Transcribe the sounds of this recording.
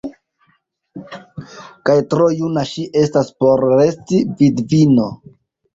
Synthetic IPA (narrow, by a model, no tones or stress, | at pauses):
kajtɾo̞junaʃiʔe̞staspo̞ɾːe̞stividvino̞